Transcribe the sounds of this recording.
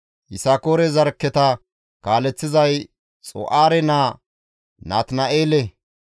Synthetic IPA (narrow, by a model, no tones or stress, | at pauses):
ʔɪsaːkoːɾɛzɐɾkːɛt̪ɐ | kaːlɛt͡sːɪzɐj | t͡sʼɔ̰ʔaːɾɛnaː | naːt̪nɐʔeːlɛ